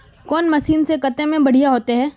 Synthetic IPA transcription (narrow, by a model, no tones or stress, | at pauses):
kɔːnmɐsiːnsekɐt̪ẽmẽbɐɽ̤ijaɦoːt̪eɦɛː